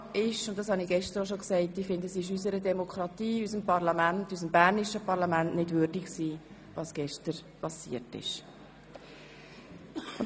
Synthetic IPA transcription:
ɪʃʊnt̚dɑshɑniɡ̥ɛʃtəɾoʃ̬oksɛɪtːifɪndəsɪʃ̬ysəɾədɛmokʰχɾɑtiːysəmpɑɾlɑmæntys̬əmbæːɾnɪʃəpɑɾlɑmæntnɪdvʏɾdɪkksiː | ʋɑsɡ̥ɛʃtəɾpɑsḭətɪ̰ʃ | ʊn

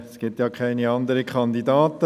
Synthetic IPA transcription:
sɡ̥ɪtjɑːkʰχɛɪniɑnd̪əɾəkχɑnd̪idɑːt̪ə

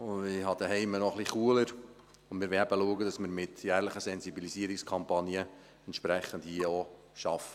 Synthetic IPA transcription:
ʊɪhɑd̥̪əɦɛɪmənɔχliχuːələɾ | ʊndmɪːɾʋɛæbəluəɡədɑsməɾmɪt̪jæːɾləχəsɛnzibilisiəɾɪkskʰɑmpɑnjə | ɛnt̪ʃpɾɛχːəndhiəo | ʃɑfə̥

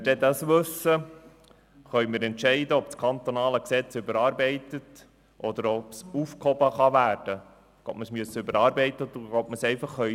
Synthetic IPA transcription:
ɪd̥ɛd̪ɑsʋɵsːə | χœʏmɪːɾɛntʃɛɪdəɔpskʰɑnt̪ɔnɑːləksɛt͡sʏbəɾɑːɾbɛɪtət | ʔɔd̪əɾɔpsufkhɔbəχɑʋæːrd̥ə | ɡ̥o̰tməsmyəsːəʏbəɾɑːɾbɛɪt̪əd̪uɡɔpməsɛɪfɑχːœ

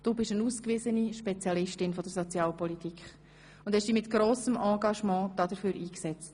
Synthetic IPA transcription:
d̥uːbɪʃənuːskʋɪzəniʃpɛt͡sjɑlɪʃtɪnfɔd̥əɾsɔt͡sjɑːlpɔlitʰikχ | ʊndhɛʃd̥iːmɪtɡ̥ɾoːsəmɑ̃ːɡɑʃmɑ̃ːd̥ɑːd̥əɾføːɾʔiːksɛt͡st

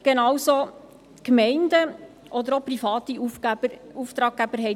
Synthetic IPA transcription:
ɡ̥enɑwso | kmɛɪndə | ʔɔd̪əɾopɾifɑːt̪iufbəuft̪ɾɑːk̚ɡæb̥əɾɦɛɪ

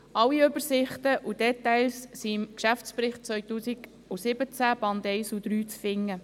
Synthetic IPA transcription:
ɑwiøbəɾsɪχt̪əʔud̥ɛtaɪlssiɪmkʃæft͡spɾɪχt̚t͡sʋœʏtuːsiɡ | usɪbət͡sæb̥ɑnd̪ɛɪsud̥̪ɾyːt͡sfɪŋːə

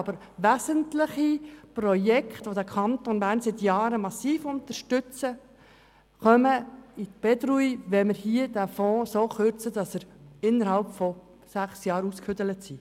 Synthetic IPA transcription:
ɑb̥əɾ | ʋæzəntləχiprɔjɛkχt̪ʋod̪ækʰɑnt̪onbæːɾnsɪt̪jɑːɾəmɑsiːfʊnt̪əɾʃtʏt͡sə | χœməitb̥ɛd̪ɾuiʋɛmɪɾhiəd̪æfɔ̃ːsoχøɾt͡səd̥ɑsəɾɪnːəɾhɑlpfɔ | sæχsjɑːɾuskfʏdələt̪si

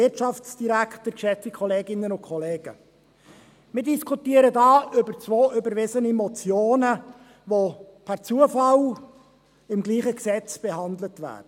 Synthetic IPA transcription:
ɪrtt͡ʃɑft͡sd̥iɾækχtəɾkʃɛt͡sikʰɔleːɡɪnənʊnkʰɔleːɡ̥ə̰ | mɪɾdiskʰutiəɾədɑːʔʏbəɾt͡sʋoːʔʏbəɾvɪzənimɔt͡sjoːnə | ʋo | pʰæɾt͡suəfɑl | ɪmɡliːχəksɛt͡sb̥ɛɦɑndlətʋæ̰ːd̥ə

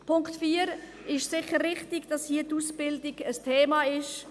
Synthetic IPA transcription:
pʰʊŋktfiːəɾ | ɪʃsɪχəɾːɪχtɪɡd̥ɑshiːətuːsb̥ɪldɪɡ̥əstʰeːmaɪʃ

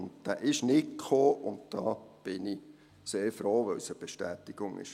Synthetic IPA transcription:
ndd̥æːʔɪʃnɪtkʰoːʔʊnt̚d̥ɑːb̥ɪni | seːɾfɾoːʋœlsəb̥eʃtæːt̪ɪɡ̥ʊŋɪ̰ʃ

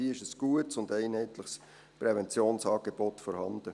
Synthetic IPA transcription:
iəɪʃəsɡ̥uətsʊndæɪnhɛɪtləχs | pɾɛvɛnt͡sjoːnsɑːɡ̥eb̥ɔtfɔɾhɑnd̥̪ə

